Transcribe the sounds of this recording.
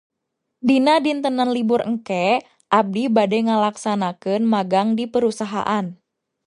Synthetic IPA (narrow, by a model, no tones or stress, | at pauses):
dinadint̪ənanliburəŋ̩kɛ | ʔab̚dibadɛŋəlaksanakənmaɡaŋdipəɾusaɦa̰ʔan